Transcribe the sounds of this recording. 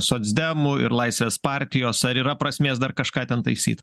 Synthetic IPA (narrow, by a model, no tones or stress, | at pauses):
soːd̪zʲd̪ʲɛmʊɪ̰ɾlˠɐɪsʲʋʲeːspɑːɾʲt̪ʲɪjoːsɐɾiːɾɐpɾɐsʲmʲeːsd̪ɐrkɐʃkɑːt̪ʲɛnt̪ɐɪsʲḭːt̪